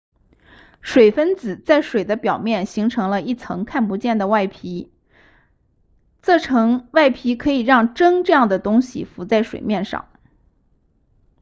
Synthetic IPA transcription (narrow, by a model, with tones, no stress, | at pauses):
ʂwe˨˩ɪfə˥nt͡sɹ̩˨˩t͡sa˥˩ɪʂwe˨˩ɪd̪ə˦pjɑ˨˩ʊmjɛ˥˩nɕi˧˥ŋʈ͡ʂʰɤ˧˥ŋlə˧i˥˩t͡sʰɤ̰˧˥ŋkʰa˥˩npu˧˥t͡ɕjɛ˥˩nd̪ə˩wa˥˩ɪpʰi˧˥ | t͡sɤ˥˩ʈ͡ʂʰɤ˧˥ŋwa˥˩ɪpʰi˧˥kʰɤ˧˥i˨˩ɻɑ˥˩ŋʈ͡ʂɤ˥ŋʈ͡ʂɤ˥˧jɑ˥˩ŋd̪ə˩t̪ʊ˥ŋɕḭ˨˩fu˧˥t͡sa˥˩ɪʂwḛ˨˩ɪmjɛ˥˧nʂɑ̰˥˩˦ŋ